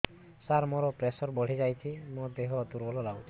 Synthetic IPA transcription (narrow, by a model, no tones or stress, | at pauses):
saɾmoɾɔpɾesɔɾbɔɽ̤id͡ʒajt͡ʃʰimod̪eɦɔd̪uɾbɔlɔlaw